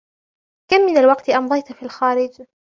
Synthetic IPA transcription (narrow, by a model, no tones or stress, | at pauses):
kamːɪnalwɑqt̪ʔɑmd̪ˤɑjt̪filxaːɾɪd͡ʒ